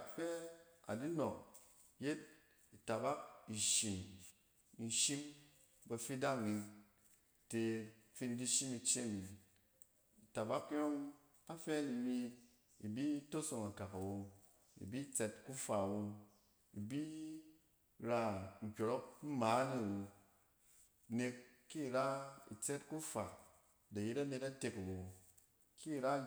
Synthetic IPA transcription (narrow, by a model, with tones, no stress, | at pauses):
kfe˦a̰˨di˦no˨k̚ | je˦t̚ | i˨ta˨ba˦k̚i˨ʃi˨n˨ | n̩˨ʃi˦m | ba˧fi˦da˦ŋi˧ | te˨fi˧n˦di˦ʃi˦mi˧t͡ʃe˦mi˨ | i˨ta˨ba˦kjo˦ŋ | a˦fe˦ni˨mi˧ | i˨bi˦to˦so˧ŋa˨ka˨ka˨wo˧ | ḭ˨bi˦t͡se˦tku˦fa˨wo˧ | i˨bi˦ | ɾa˧ŋ̩˨kʲo˨ɾo˦k̚m̩˦ma˨˦ni˦˨wo˧˨ | ne˧kː | i˦˨ɾa˦ḭ˨t͡se˦tku˦fa˨ | da˨ji˦ɾa˦ne˧ta˦te˧ka˨wo˨ | ki˦˨ɾa˦